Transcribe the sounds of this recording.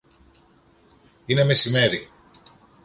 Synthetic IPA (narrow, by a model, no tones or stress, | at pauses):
ine̞me̞sime̞ɾi